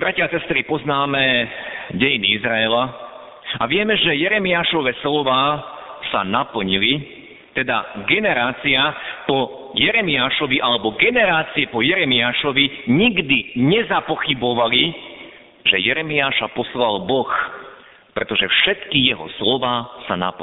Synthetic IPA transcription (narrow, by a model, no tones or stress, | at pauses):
bɾacɪasɛst̪ɾipɔznaːmɛ | ɟɛjiniizɾaɛla | a̰ʋɪɛmɛʒɛjɛɾɛmiaːʃɔʋɛslɔʋaːsa̰napl̩ɲili | t̪ɛd̪a̰ɡɛnɛɾaːt͡siapɔ | jɛɾɛmiaːʃɔʋiʔalɛbɔɡɛnɛɾaːt͡siɛpɔjɛɾɛmiaːʃɔʋiɲiɡd̪iɲɛzapɔxibɔʋali | ʒ̥ɛjɛɾɛmiaːʃapɔslalbɔx | pɾɛt̪ɔʒɛfʃɛt̪kijɛɦɔ̰slɔʋaːsana̰p